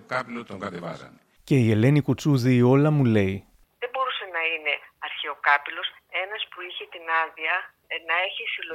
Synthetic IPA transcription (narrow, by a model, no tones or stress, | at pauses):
ce̞ie̞le̞nikut͡suðiːo̞lɐmule̞i | ðe̞bo̞ɾuse̞nɐine̞ɐɾçeo̞kɐpilo̞s | enɐspuiçet̪inɐðiɐ | nɐe̞çisilo